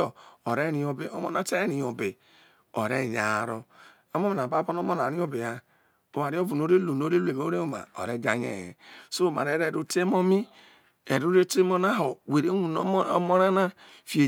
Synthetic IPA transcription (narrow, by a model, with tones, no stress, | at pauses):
o˨o˨ɾe˦ɾi˨o˨be˨o˦mo̰˦na˦te˦ɾi˨jo˨be˨ | o˨ɾe˦˨ɲa˨ɾo˦ | o˦mo˦me˨a˨ba˦bo˦no˦mo˦na˨ɾi˦o˦be˨a˨ | o˨wa˨ɾi˦o˦vu˨no˦ɾe˦lo˨no˨˦ɾe˦lu˦˨e˨bo˨˦ɾe˦o˦˨ma̰˨o̰˨ɾe˦d͡ʒa˦ɲḛ˨jɛ̰˨so˦˨ma̰˨ɾe˨˦ɾe˦˨ɾo˦te˦mo˦mi˦ | e˨ɾu˦ɾe˦te˦mo˦na˦ɦo˨we˨ɾe˦nu˨no˦mo˦ɾa˦na˦ | fi˨e˨